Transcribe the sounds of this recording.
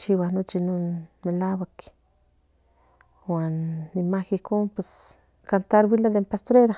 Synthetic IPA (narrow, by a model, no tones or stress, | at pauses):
t͡ʃiwanot͡ʃinonmelawak | wanːimakihkonpwes | kant̪aɾwilad̪empast̪oɾeɾa